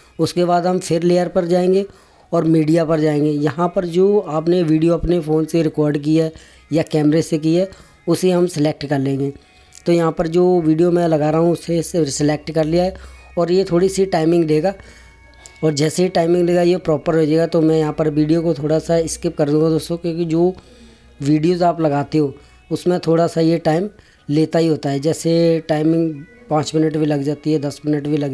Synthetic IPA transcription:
ʊskebaːd̪ɦɐmfʰɪɾleːəɾpɐɾd͡ʒaːẽːŋɡe | ɔːɾmiːɖijapɐɾd͡ʒaːẽːŋɡejɐɦãpɐɾd͡ʒoːaːpneʋiːɖijoɐpnefʰoːnseɾɪkɔːɾɖk̬iɛ | jakɛːmɾesekiɛː | ʊseɦɐmsɪleːk̚ʈkɐɾlẽːŋɡeː | t̪ojɐɦãpɐɾd͡ʒoːʋiːɖijomɛ̃lɐɡaːɾaːɦũʊsesesɪlek̚ʈkɐɾliaɦɛɔːɾjet̪ʰoːɽisiʈaːɪmɪ̃ŋɡleːɡaː | ɔːɾd͡ʒɛːseiʈaːɪmɪ̃ŋɡleːɡaiepɾɔːpəɾɦed͡ʒeːɡat̪omɛ̃jɐɦãpɐɾʋiːɖijokot̪ʰoːɽasaɪskɪp̚kɐɾd̪ũːŋɡad̪oːst̪õkjõːkid͡ʒoː | ʋiːɖijoːzaːplɐɡaːt̪eɦoː | ʊsmẽt̪ʰoːɽasajeʈaːɪm | leːt̪aɦiɦoːt̪aɦɛd͡ʒɛːseʈaːɪmɪ̃ŋɡpãːt͡ʃmɪnəʈbʱilɐɡd͡ʒaːt̪iɦɛd̪ɐsmɪnəʈbʱilɐɡ

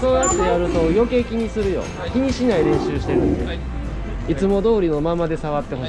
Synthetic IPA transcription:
so̞ːjat̪ːe̞jaɾɯ̟t̪o̞jo̞ke̞kʲiɲ̟isɨɾɯ̟jo̞̰ | kʲiɲ̟iɕinaiɾẽ̞ɰ̃ɕɨːɕi̥t̪e̞ɾɯ̟̃nd̪e̞̰ | it͡sɨmo̞d̪o̞ːɾʲino̞mamad̪e̞saβat̪ːe̞ɦo

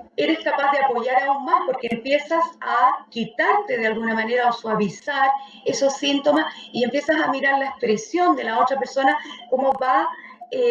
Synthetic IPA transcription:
e̞ɾe̞skapazðeapo̞ʝaɾauŋmaspo̞ɾkeːmpje̞sasakit̪aɾt̪e̞ðealɣunamaneɾaoswaβisaɾ | e̞so̞sːint̪o̞masie̞mpje̞sasamiɾaɾlaespɾe̞sjo̞nd̪e̞lao̞t̪ɾape̞ɾso̞nako̞mo̞βae

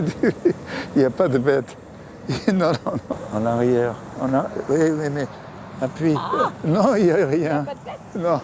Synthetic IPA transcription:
d̪yiljapad̪əbɛt̪ | inɔ̃nɔ̃nɔ̃ɑ̃naʁjɛʁ | ɑ̃nawimɛmɛ | apɥinɔ̃iljaʁjɛ̃ | nɔ̃

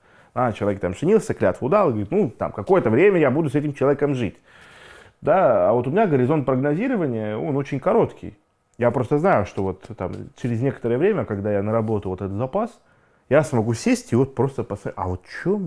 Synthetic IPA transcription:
at͡ɕɪlˠɐvʲekt̪amʐɨnʲilˠsʲəklʲat̪vəʊd̪alˠɪɡəɐəɾʲit̪nut̪a̰mkɐko̞jət̪əvɾʲemʲəjabud̪ʊsɛtʲɪmt͡ɕɪlˠɐvʲekəmʐɨtʲ | d̪aavo̞t̪ʊmʲɪnʲaɡəɾʲɪzo̞nt̪̚pɾəɡnɐzʲiɾəvənʲɪjəo̞no̞t͡ɕɪnʲkɐɾo̞t̪kʲɪ̰j | japɾo̞st̪əznajʊʂt̪o̞vo̞t̪ːa̰mt͡ɕɪɾʲɪzʲnʲe̞kə̥t̪əɾəjəvɾʲemʲəkɐɡd̪ajanəɾɐbo̞t̪ʊvot̪ɛt̪ət̪zɐpas | jasmɐɡusʲesʲtʲɪvo̞t̪̚pɾo̞st̪əpəsɐɐvo̞t̪t͡ɕom

